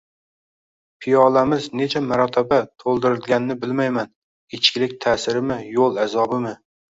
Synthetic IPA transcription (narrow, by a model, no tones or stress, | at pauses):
pʰijɒlamɪzne̞t͡ʃʰamaɾɒt̪ʰabat̪ʰolˠd̪ɪɾɪlɡʲanɪnɪbɪlmajman | ɪt͡ʃʰkʲɪlɪk̚ʲt̪ʰaːsɪɾɪmɪjolˠazɒbɪmɪ